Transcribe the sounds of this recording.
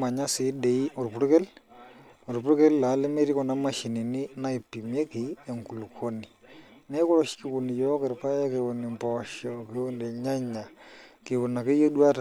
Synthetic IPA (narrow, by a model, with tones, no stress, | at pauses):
ma˨ɲa˦sɪ˨˦de˨i˦o˨ɾpu˦ɾke˦l | o˨ɾpu˦ɾke˦lla˨˦le˦me˦ɾi˦kɔ˨na˦ma˨ʃi˨ni˨ni˦na˦i˨pːi˨m˦e˦ki˨e˨ŋku˨lkʰo˦ni˨ne˦ko˦ɾo˨ʃki˨ku˨ni˨jɔ˦kɪ˨ɾpa˦ja˦ke˨wo˨ni˨mpɔ˨ʃɔ˨ke˨wo˦nde˨ɲa˦ɲa˨ki˨wu˨na˨ke˦jo˦dwa˦t